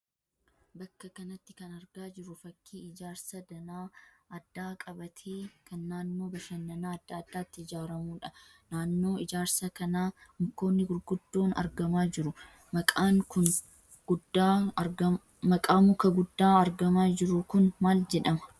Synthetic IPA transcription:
bɐkːɐkɐnɐt̪ːɪ̥kɐnɐɾɡaːd͡ʒɪɾʊfɐkʰːiːɪd͡ʒaːɾsɐd̪ɐnaːɐd̪ːaːkʼɐbɐt̪ʰeːkɐnːaːnːo̞ːbɐʃɐnːɐnaːɐd̪ːaːd̪ːaːt̪ːɪɪd͡ʒaːɾɐmuːᶑɐ | naːnːo̞ːɪd͡ʒaːɾsɐkɐnaːhʊmko̞ːnːɪɡʊɾɡʊd̪ːo̞ːnɐ̰ɾɡɐmaːd͡ʒɪɾʊ | mɐkʼaːŋkʊn | ɡʊda | mɐkʼaːmʊkɐɡʊd̪ːaːɐɾɡɐmaːd͡ʒɪɾʊkʊnmaːld͡ʒɛᶑɐmɐ̥

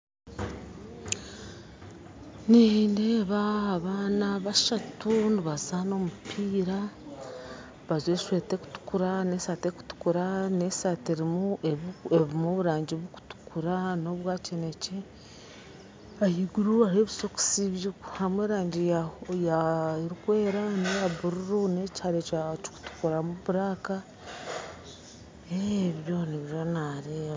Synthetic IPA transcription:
nineβaaβaːnaβaʃatuniβazaːno̞mupʰiːɾa | βazweːʃweːte̞ku̥tu̥kuɾane̞ːsaːteku̥tu̥kuɾane̞saːteɾimueeβimoβuɾaːɲɟiβuku̥tu̥kʰuɾano̞βwaːcene̞ce | ahiɡuɾuaɾeβisoku̥siβjuku̥hamweːɾaːɲɟijaɾikwe̞ːɾanejaβuɾuɾunecaɾet͡ʃat͡ʃi̥ku̥tu̥kuɾamuβuɾaːka | eβjoneβjonaɾe

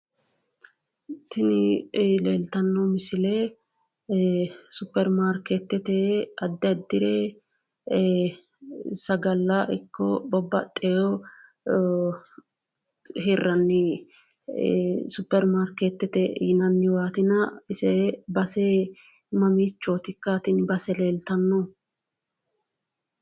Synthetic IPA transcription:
t̪ɪnɪleːlt̪ɐnːɔmɪsɪle | sʊpːɛɾmaːɾket̪ːɛt̪ɛɐd̪ːɛd̪ːɪɾɛ | sɐɡɐlːɐʔɪ̰kʰːɔbɔbːɐt̪ʼːɛjɔ | hɪrːɐnːɪ | sʊpːɛɾmaːɾkeːt̪ːɛt̪ɛ̰ːnɐnːɪwaːt̪ɪnɐɪsɛbɐse | mɐmiːt͡ʃːoːt̪ɪkːat̪ɪnbɐsɛleːlt̪ɐnːɔ

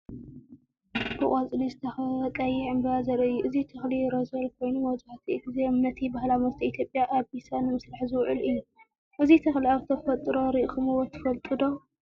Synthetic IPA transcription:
bɨkʼat͡sʼlizɨt̪ʰɐxɐt̪ʼɐjiʕɨmbɐazɐɾɐɨjːuʔɨzit̪ʰɐxliɾozɐlkʰo̞jnumɐzħat̪ʰiʔt̪ɨzemnːɐt̪ʰibahlamɐst̪iit̪ʰjo̞pʼjaʔaβisanɨmɨsɾaħzɨwʕɨlɨjːu | ʔɨzit̪ʰɐxliaβɨ̥t̪ʰɐfɐt̪ʼɾo̞ɾiʔxɨmɨwot̪ʰːɐ̥fɐlt̪ʼɨd̪o

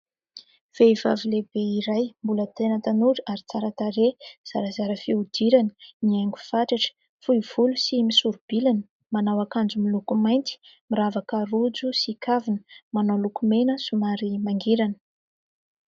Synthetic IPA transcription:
v̥eiva̰vilebeiɾajmbulət̪enət̪anuɾaɾit͡saɾat̪aɾez̥aɾəzaɾəfiud̪̥iɾanə̥niaŋɡuv̥aʈ͡ʂaʈ͡ʂə̥ | fuiv̥ulusimisuɾub̥ilanə̥ | manawakand͡zumilukumajnt̪i̥miɾavakərud͡zusikʰavinə̥manolukumenəsumaɾimaŋɡiɾanə̥

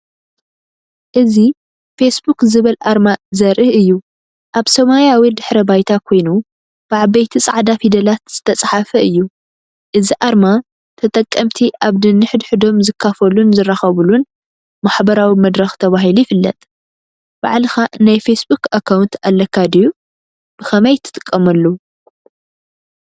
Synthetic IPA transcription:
ʔɨzi | fesbukzɨβɐlaɾmazɐɾʔɨɨjːu | ʔaβsɐmaljawid̪ɨħɾɐbajt̪ʰakʰo̞jnu | b̥aʕabɐjt̪ʰit͡sʼaʕd̪afid̪ɐlat̪z̥ɨt̪ʰɐt͡sʼħafɐɨjːu | ʔɨziʔaɾma | t̪ʰɐt̪ʼɐkʼːɐmt̪ʰiʔaβd̪ɨnːɨħd̪ħɨd̪o̞mzɨkʰːafɐlunzɨrːaxɐβulun | maħbɐɾawimɐd̪ɾɐxt̪ʰɐβaɦilujɪfɨlːɐ̰t̪ʼ | b̥a̰ʕlɨxanajfesbukakʰawnt̪ʰalːɐkʰːad̪iju | b̥ɨxɐmɐjt̪ʰɨ̥t̪ʼɨ̥kʼːɐmɐlːo

